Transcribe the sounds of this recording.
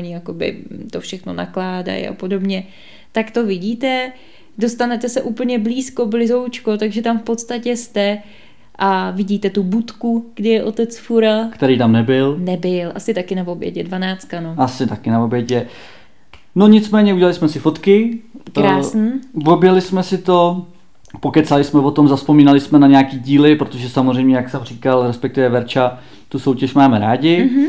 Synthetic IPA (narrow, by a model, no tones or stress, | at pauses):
ɲɪjako̞bɪ̰t̪ofʃɛxno̞̰na̰klaːda̰jʔa̰po̞do̞bɲɛ | t̪akt̪o̞vɪɟiːt̪ɛ | do̞st̪anɛt̪ɛsɛʔuːpl̩ɲɛbliːsko̞blɪzo̞wt͡ʃko̞t̪aɡʒɛt̪amfpot̪st̪acɛst̪ɛ | ʔavɪɟiːt̪ɛt̪ubut̪kuɡ̥dɪjɛʔo̞t̪ɛt͡sfuɾakt̪ɛɾiːt̪amnɛbɪlnɛbɪlʔasɪt̪akɪnavobjɛ̰ɟɛdvanaːt͡st̪̚kanoasɪt̪akɪnavo̞bjɛɟɛ | noɲɪt͡smɛːɲɛuɟɛlalɪsmɛsɪfo̞t̪kɪɾaːsniːvo̞bjɛlɪsmɛsɪt̪o̞ | po̞kɛt̪t͡salɪsmɛvo̞t̪o̞mzaspo̞miːnalɪsmɛnaɲɛakiːɟiːlɪpɾot̪oʒɛsamozr̝ɛjmɲɛjaksamr̝iːkalɾɛspɛk̚t̪ɪvɛvɛɾt͡ʃa | t̪uso̞wcɛʃmaːmɛɾaːɟɪ